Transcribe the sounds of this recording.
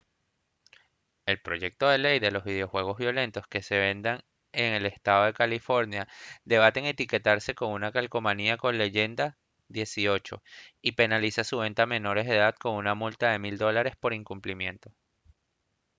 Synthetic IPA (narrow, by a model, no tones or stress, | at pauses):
e̞lpɾo̞ʝe̞k̚t̪o̞ðe̞le̞jðe̞lo̞zβið̞eo̞xwe̞ɣ̞o̞zβjo̞le̞nt̪o̞ske̞se̞βe̞nd̪aŋ | eŋe̞le̞st̪aðo̞ðe̞kalifo̞ɾnjad̪e̞β̞at̪eŋe̞t̪ike̞t̪aɾse̞ko̞ŋunakalko̞maniako̞nle̞ʝe̞nd̪a | ðje̞sio̞t͡ʃo̞̰ipe̞nalisasuβe̞nt̪ame̞no̞ɾe̞zðe̞ðad̪ko̞ŋunamult̪aðe̞mild̪o̞laɾe̞spo̞ɾiŋkumplimjẽ̞nt̪o̞